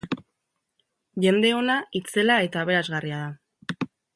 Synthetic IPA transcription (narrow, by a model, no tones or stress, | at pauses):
ʝe̞nd̪e̞o̞nait͡se̞lae̞t̪aːβ̞e̞ɾazɣariaða